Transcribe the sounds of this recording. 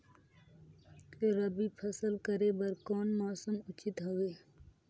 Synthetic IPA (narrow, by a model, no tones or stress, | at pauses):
keɾɐbipʰɐsəlkəɾebɐɾkɔːnmɔːsəmʊt͡ʃɪt̪ɦoeː